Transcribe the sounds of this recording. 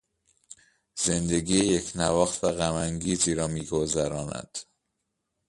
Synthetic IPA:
z̥e̞nd̪e̞ɡiːjecʰnævɒːxt̪væɣæmæŋɟiːziːɾɒːmiːɡo̞zæɾɒːnæ̰d̪̥

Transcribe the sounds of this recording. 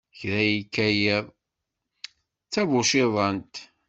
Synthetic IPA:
çɾæjikːæjəðˤ | t͡sːævʊʃɪðˤɑnt̪

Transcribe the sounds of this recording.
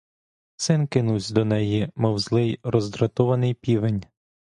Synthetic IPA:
sɪnkɪnusʲd̪ɔnɛjimɔwzlˠɪjrɔzd̪ɾɐt̪ɔʋɐnɪjpʲiʋenʲ

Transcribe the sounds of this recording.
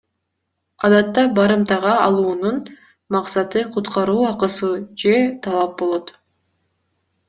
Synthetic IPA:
ɑd̪ɑt̪ːɑbɑɾɯmt̪ɑʁɑːlˠuːnun | mɑqsɑt̪ɯqʰut̪qɑɾuːɑqɯsud͡ʒe̞t̪ʰɑlˠɑp̚bo̞lˠo̞t̪

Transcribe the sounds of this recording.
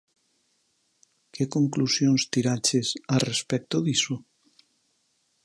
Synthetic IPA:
kekoŋklusjõnst̪iɾat͡ʃesarespɛk̚t̪oðiso

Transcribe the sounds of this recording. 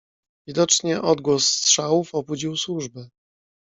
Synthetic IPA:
vʲid̪ɔt͡ʂɲɛʔɔd̪ɡwɔsːtʂawufɔbud͡ʑiwswuʐbɘ

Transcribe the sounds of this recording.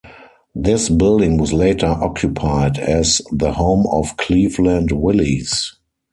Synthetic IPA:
ðɪsbɪldɪ̃ŋwɔsleɪtʰə˞ʔɔkʰjupʰaɪdɛzðəhõʊ̃mɔfkʰliːflæ̃ndwɪlis

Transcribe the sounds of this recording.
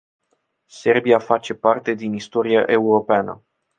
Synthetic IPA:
se̞rbiafat͡ʃe̞part̪e̞d̪inist̪o̞ɾia̰ʔe̞uɾo̞peanə̰

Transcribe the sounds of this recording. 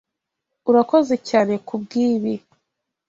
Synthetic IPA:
uɾako̞ze̞caːne̞kʰubɡiːβi

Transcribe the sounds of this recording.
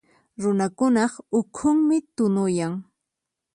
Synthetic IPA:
ɾʊnakʊnɑχʊkʰʊŋmɪt̪ʊnʊjaŋ

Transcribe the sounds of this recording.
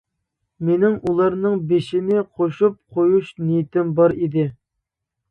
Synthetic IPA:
menɪŋulˠɑɾnɨŋbeʃɪnɪqʰoʃup̚qʰojuʃnijt̪ɪmbɑɾid̪ɪ

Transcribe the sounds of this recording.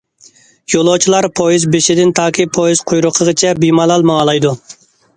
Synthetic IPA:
jolˠot͡ʃʰilˠɑɾpʰojizbeʃɪd̪ɪnt̪ʰɑːkʲʰipʰojiz̥qʰojɾʊqʰəʁət͡ʃʰɛbimɑlˠɑlˠmɑɑlˠɑjd̪u

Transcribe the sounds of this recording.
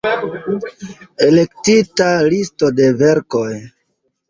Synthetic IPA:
e̞le̞ktitalisto̞de̞ve̞ɾko̞j

